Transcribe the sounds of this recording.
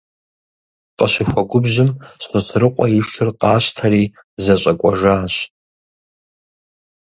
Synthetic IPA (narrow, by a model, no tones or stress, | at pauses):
qʼəʃʷɪxʷaɡʷʊbʒɪmsot͡sʰrɨqʷʼaiʂʈ͡ʂʰɨrqʼaːɕʷtʰaɾiː | zat͡ʃʷʼakʷʼaʐaːɕʷ